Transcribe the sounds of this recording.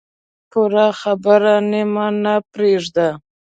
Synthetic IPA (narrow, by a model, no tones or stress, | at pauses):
puɾaxabəɾanemanapɾeʐd̪a